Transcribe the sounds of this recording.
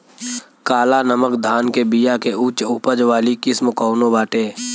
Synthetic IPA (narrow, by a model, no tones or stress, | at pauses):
kaːlanəməkd̪ʱaːnkebijakeʔut͡ʃʊpəd͡ʒʋaːlikɪsmkɔːʊnõbaːʈeː